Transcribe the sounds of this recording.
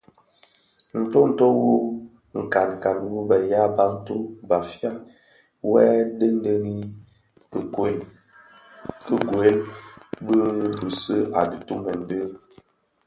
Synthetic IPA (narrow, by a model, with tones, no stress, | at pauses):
n̩˨to˦n̩˨to˦wu˦ | ŋ̩˨ka˨n˨ka˨nwu˦bə˨ja˦ba˦ŋ̩˦tu˦ba˨fja˦ | wɛ˦də˦n̩˦də˦ŋi˦˨˦ | kə˦ɡwe˨˦lbə˦bə˨sə˦ʔa˨di˨tu˦mə˨n˦də˦